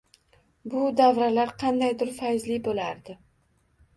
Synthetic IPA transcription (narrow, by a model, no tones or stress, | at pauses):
bʊd̪avɾalaɾqʰɑnd̪ajd̪ʊɾfajzlɪbolaɾd̪ɪ